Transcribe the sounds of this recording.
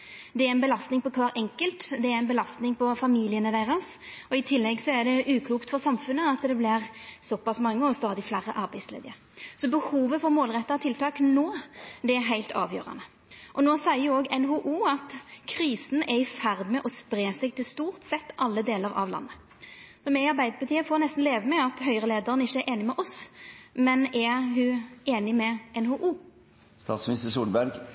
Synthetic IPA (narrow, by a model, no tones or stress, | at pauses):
d̪ɛæɾɛnbəlɑst̪nɪŋpɔkʰɑːɾʔɛŋkəlt̪d̪ɛæɾɛnbəlɑst̪nɪŋpɔfɑmiːlɪənəd̪æɪʁɑs | ɔɪt̪ʰɪlːɛɡsɔɛʁd̪ɛʔʉːkʰluːkt̪fɔʁsɑmfʉnːəɑt̪d̪ɛblɪʁsɔpɑsmɑŋːəɔst̪ɑːd̪ɪflæɾə̰ʔɑɾbæɪslḛːd̪əɾsɔbəhuːʋəfɔʁmoːlʁɛt̪ːɑɔt̪ʰɪlt̪ʰɑːknoːd̪ɛæɾɦæɪlt̪ɑ̰ːʋjø̰ːʁɑ̰nə | ʔɔnoːsæɪəʁjoːɡɛnɦuʔuːɑt̪kʰɾiːsn̩ɛɪfæʁd̪mɛʔɔspɾeːsɛɡ̚t̪ʰɪlst̪uːʁt̪sɛt̪ːʔɑlːəd̪eːləɾɑ̰ʋlɑ̰nːə | sɔmɛɪɑɾbæɪd̪əpʰɑt̪ʰiːəfoːɾnɛst̪n̩leːʋəmɛɑt̪hœʏʁəleːd̪əʁənɪçːəɛɾʔeːnɪmɛʔɔsmɛnæɦʉeːnɪmɛʔɛnhuʔuː | st̪ɑːt̪smnɪst̪əsuːlbæɾɡ